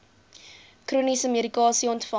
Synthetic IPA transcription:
kruːnisəmiəɾikɑːsiɔntfɐ

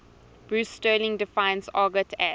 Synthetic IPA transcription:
b̥ɹustəːlɪ̃ŋdɪfãɪ̃nsɑːɡətʰɛ

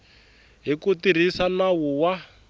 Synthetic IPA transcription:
ɦikutir̤isanawuwa

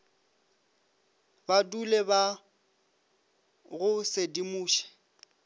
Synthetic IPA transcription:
baduleba | ɣʊsedimuːʃɛ̥

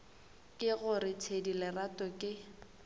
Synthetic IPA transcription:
kʼɪɣʊrɪt͡sʰedilɪratɔkʼɪ

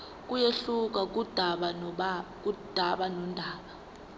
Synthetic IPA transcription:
k̬ʼujeɬuk̬ʼak̬ud̥ʱaɓakud̥ʱaɓanɔndʱaːɓa

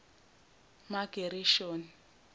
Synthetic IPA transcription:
maɡ̥ʱeɾiʃoːni

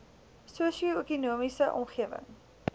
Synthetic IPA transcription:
suəsioøkunuəmisəʔɔ̰mχiəvə̰ŋ

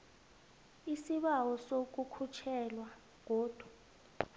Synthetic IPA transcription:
isiɓawɔsok̬ukʰut͡ʃʰɛlwa | k̬oːd̥ʱwa

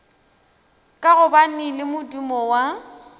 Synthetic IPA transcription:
kʼaɣʊban̩ɪlɪmʊdumɔwa

